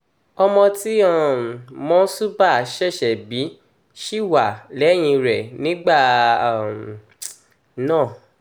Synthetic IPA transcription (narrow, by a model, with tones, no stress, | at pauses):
ɔ˧mɔ̃˧ti˦a˦˨mɔ̃˧˦su˦ba˦˨˦ʃɛ˦˨ʃɛ˨bi˨˦ | ʃi˦˨wa˨lɛ˨˦j̃ĩ˧ɾɛ˨nĩ˨˦ɡ͡ba˦˨m˨ | nãː˦˨